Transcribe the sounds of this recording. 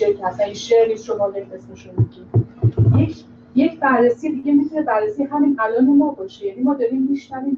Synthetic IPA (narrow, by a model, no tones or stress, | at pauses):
eɾcʰeæsæninʃeɾniːsʃomɒːbeiesmeʃunmiɟiːnjecʰ | je̞cʰbærresijed̪iɟʲe̞mit̪ʰune̞bærːesijeɦæminælɒːnemɒːbɒːʃejænimɒːd̪ɒɾiːmːiʃnæviːm